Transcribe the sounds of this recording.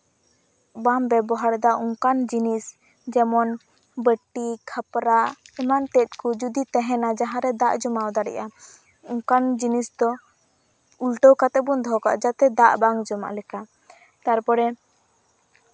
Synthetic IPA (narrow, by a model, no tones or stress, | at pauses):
bambɛbɔɦaɽd̪aʔuŋkand͡ʒinis | d͡ʒɛmɔn | bəʈikʰapɾaimant̪ɛt̪̚ˀkud͡ʒud̪it̪ɛɦɛnad͡ʒaɦãɾɛd̪aʔd͡ʒɔmawd̪aɽɛ̰ʔa | uŋkand͡ʒinisd̪ɔ | ulʈəwkat̪ɛbund̪ʱɔka̰ʔd͡ʒat̪ɛd̪aʔbaŋd͡ʒɔma̰ʔlɛka | t̪aɾpɔɽɛ